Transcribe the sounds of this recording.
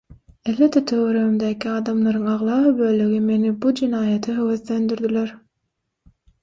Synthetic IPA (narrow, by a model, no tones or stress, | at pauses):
elved̪ːet̪ʰøɣøɾøɣymd̪æːkʰiɑːd̪ɑmlˠɑɾɯŋɑʁlˠɑːɯbøːløɣime̞nibud͡ʒenɑːjɑt̪ʰɯɦøwøθlø̞nd̪yɾd̪ileɾ